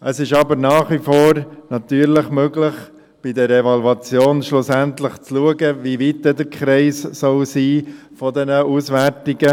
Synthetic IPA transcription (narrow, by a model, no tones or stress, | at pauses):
ʔəsɪʃɑbəɾnɑːχʋifoːɾnɑtyːɾləχmøɡləχ | b̥idəɾevɑluɑt͡sjoːnʃlʊsæntləχt͡sluəɡəʋiʋitdɛdəɾkχɾɛɪssɔlsiː | fɔd̪ɛnəusʋæɾtɪɡə